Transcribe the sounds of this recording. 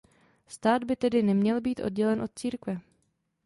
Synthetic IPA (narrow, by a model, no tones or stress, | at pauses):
st̪aːd̪bɪt̪ɛdɪnɛmɲɛlbiːt̪ʔo̞̰d̚ɟɛlɛnʔo̞t̪̚t͡siːɾkvɛ